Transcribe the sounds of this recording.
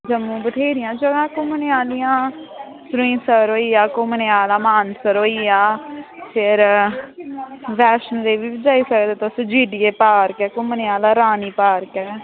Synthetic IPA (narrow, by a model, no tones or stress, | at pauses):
d͡ʒəmũːbət̪ʰeːɾɪjãːd͡ʒəɡãːkʊ̃məneaːlɪjãː | sɾuĩːsəɾoːiːaːkʊməneaːlaːmaːnsəɾoːiːaːfʰɪɾ | bɛːʃənleːʋiːbɪd͡ʒaːiːsəkd̪eːt̪sd͡ʒiːɖɪeːpaːɾkɛːkʊməneaːlaːɾaːniːpaːɾkɛː